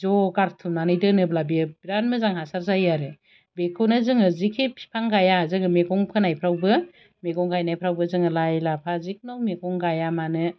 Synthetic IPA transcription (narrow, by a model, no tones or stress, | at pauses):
zɔɡaɾtʰumnanɯjdɯnɯblabibiɾanmɯzaŋhasaɾzajaɾɯ | bekʰonɯzɯŋɯzikʰipʰi̥pʰaŋɡajazɯɡɯmeɡɔŋpʰɯnajpʰɾawbɯ | meɡɔŋɡajnajpʰɾawbɯzɯŋɯlajlapʰazik̚nɔmeɡɔŋɡajamanɯ